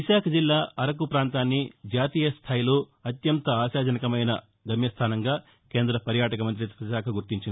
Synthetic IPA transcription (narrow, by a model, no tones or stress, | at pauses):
ʋiʃaːkʰɐd͡ʒilːaːʔɐɾɐk̬upɾaːnt̪aːnːid͡ʒaːt̪iːjɐst̪ʰaːjiloːɐt̪jɐnt̪ɐaːʃaːd͡ʒɐnɐkɐmɐjnɐ | ɡ̪ɐmjɐst̪ʰaːnɐŋɡaː | ke̞ːnd̪ɾɐpɐɾjaːʈɐkɐmɐnt̪ɾiʋiaːkʰɐɡuɾt̪iɲt͡ʃin